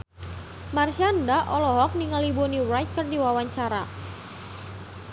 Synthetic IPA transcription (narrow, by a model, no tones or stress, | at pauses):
marʃandaʔɔlɔɦɔk̚niŋalibonirajt̪̚kɨrdiwawaɲt͡ʃaɾa